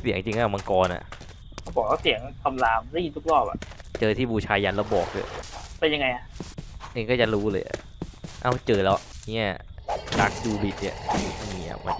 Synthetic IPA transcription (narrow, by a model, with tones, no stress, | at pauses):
si˨˩˦əŋt͡ɕi˧ŋʔaː˧˥˩ma˧nkɔː˧nʔa̰˨˩ʔ | kʰa˥˩bɔː˨˩k̚waː˥˩si˨˩˦əŋkʰa˧mlaː˧mla˥˨˧t̪u˦˥k̚lɔː˥˩p̚a̰˨˩ʔt͡ɕɤː˧t̪ʰiː˥˩buː˧t͡ɕʰaː˧ja˧nlɛ˦˥˩bɔː˨˩k̚lɯ̰˧˩pe˧nja˧ŋa˧jʔa˨˩ʔeː˧ŋkɔː˥˩t͡ɕa˨˩ɾuː˦˥lɤː˧jʔa̰˨˩ | ʔa˧˩wt͡ɕɤː˧lɛ˦˥wʔi˦ɛ̰˥˩la˦˥k̚duː˧bi˨˩t̪̚ḭ˧˩ʔʰmiː˦˧˥ʔa̰˨˩ma̰˧